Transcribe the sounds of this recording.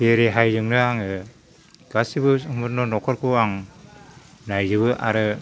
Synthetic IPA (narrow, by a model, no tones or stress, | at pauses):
peɾeɦajzɯŋnɯaŋɯ | ɡ̥asibɯmɯt̚nɔnɔkʰɔɾkʰɯaŋ | najzɯbɯʔa̰ɾɯ